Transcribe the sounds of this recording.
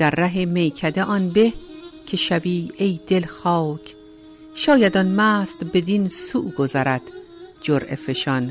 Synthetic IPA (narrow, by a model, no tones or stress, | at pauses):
d̪̥æɾːæɦemejkʰæd̪eʔɒnbehkʰe̞ʃæviːejd̪̥elxɒːcʰ | ʃɒːjæd̪ɒnmæːst̪be̞d̪insṵʔɡozæɾæd̪̥ | d͡ʒoɾʔḛfe̞ʃɒn